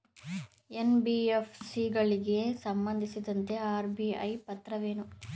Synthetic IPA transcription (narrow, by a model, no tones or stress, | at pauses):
enbiːefsiɡɐɭiɡe̞sɐmbɐnd̪ʱisid̪ɐnt̪e̞aːɾbiɐ̰jpɐt̪ɾɐʋeːnu